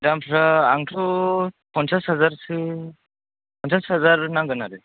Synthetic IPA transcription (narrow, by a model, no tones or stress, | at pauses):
dampʰɾaaŋtʰupɔnsashazaɾsɯ | pʰɔnsashazaɾnaŋɡɯnaɾɯ